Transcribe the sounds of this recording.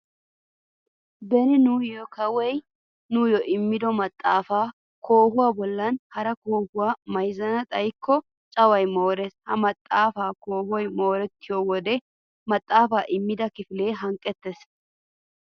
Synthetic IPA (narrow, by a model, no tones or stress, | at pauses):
bɛnɪnʊjɔkɐwɛj | nʊjɔʔɪmːɪd̪ɔmɐt̪ʼːaːfaː | kʰo̞ːhʊwaːbɔlːɐnhɐɾɐkoːhʊwaːmɐjzɐnɐt̪ʼɐjkːɔ | t͡ʃʼɐwɐjmo̞ːɾɛshɐmɐt̪ʼːaːfaːko̞ːhɔjmo̞ːɾɛt̪ːɪjoːwɔd̪ɛ | mɐt̪ʼːaːfaːʔɪmːɪd̪ɐkɪfɪleːɦɐŋkʼːɛt̪ːes